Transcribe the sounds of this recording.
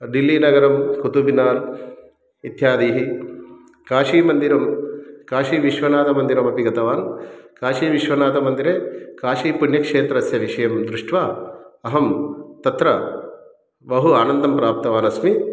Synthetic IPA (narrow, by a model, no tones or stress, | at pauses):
ɖilːiːnɐɡɐɾɐmkut̪ubinaːn | it̪jaːd̪iːɦi | kaːʃiːmɐnd̪iɾɐmkaːʃiːʋiʃʋɐnaːt̪ɐmɐnd̪iɾɐmɐpiɡɐt̪ɐʋaːnkaːʃiːʋiʃʋɐnaːt̪ɐmɐnd̪iɾeːkaːʃiːpunjɐkʂeːt̪ɾɐsjɐʋiʂɐjɐmd̪ɾuʂʈʋaːɐɦɐmt̪ɐt̪ɾɐ | ʋɐɦuaːnɐnd̪ɐmpɾaːp̚t̪ɐʋaːnɐsmi